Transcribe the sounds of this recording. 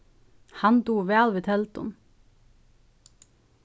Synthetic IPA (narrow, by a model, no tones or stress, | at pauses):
hɑnd̪uːʋæːɑlʋɪt̪ʰɛlt̪ʊ̰m